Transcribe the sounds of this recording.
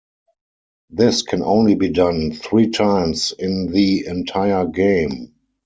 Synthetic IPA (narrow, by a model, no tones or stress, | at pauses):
ðɪskʰɛ̃nʔõ̰ʊ̃nlibiːdãnθɹiːtʰãɪ̃msɪ̃nðiɛ̃ntʰaɪə˞ɡẽɪ̃m